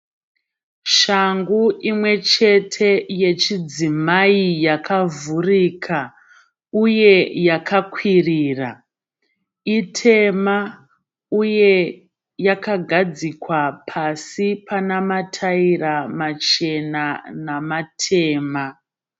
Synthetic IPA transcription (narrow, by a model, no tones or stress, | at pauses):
ʃaŋɡuʔimwe̞t͡ʃe̞tʰe̞je̞t͡ʃid͡zimaijakʰavuriːkʰa | uje̞jakʰakwiriːra | itʰe̞ma | uje̞ | jakaɡʱad͡zikwapʰasipʰanamatʰairamat͡ʃe̞nanamatʰe̞ːma